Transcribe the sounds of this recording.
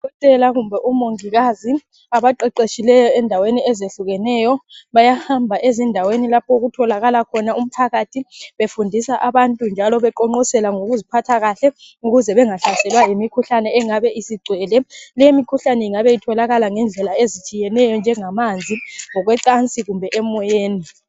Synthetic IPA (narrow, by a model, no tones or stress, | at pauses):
kɔtʼɛlaɣumbʱɛʔumoŋiɣazi | aβaǃɛǃeʃilɛjɔɛndʱaweniɛzeɬuɣɛnɛjɔβajahambʱaʔezindʱawenilapʰɔuɣutʰɔlaɣalakʰɔnaum̩pʰaɣatʰiβefundʱisaʔaβantʼund͡ʒʱalɔβɛǃɔŋ͡ǃɔsɛlaŋoɣuzipʰatʰaɣaɬɛ | uɣuzɛβɛŋaɬasɛlwajimikʰuɬanɛɛŋaβɛʔisiɡ͡ǀʱwɛːlɛlɛjimikʰuɬanɛiŋaβɛjitʰɔlaɣalaŋɛnd͡ɮʱɛlaezit͡ʃʼijɛnɛjɔnd͡ʒʱɛŋamand͡zʱiŋɔɣwɛǀant͡sʼiɣumbʱɛʔɛmɔjeːni